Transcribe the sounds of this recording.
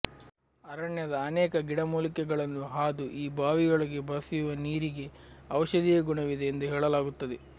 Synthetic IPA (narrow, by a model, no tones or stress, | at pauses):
ɐɾɐɳjɐd̪ɐːnɛːkɐɡiɽɐmuːlikɛɡɐɭɐnːuɦaːd̪uʔiːbaːʋijoɭɐɡe̞bʱɐsijuʋɐniːɾiɡe̞ | ɐʋɐʃɐd̪ijɐɡuɳɐʋid̪eːnd̪uɦeːɭɐlaːɡut̪ːɐd̪e